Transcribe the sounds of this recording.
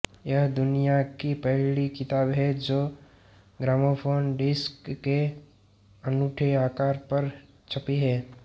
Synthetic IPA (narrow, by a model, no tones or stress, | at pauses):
jəɦd̪ʊnijakipəɦlikɪt̪aːbɦɛd͡ʒoː | ɡɾaːmopʰoːnɖɪskːe | ənuːʈʰeaːkaːɾpəɾ | t͡ʃʰəpiɦɛː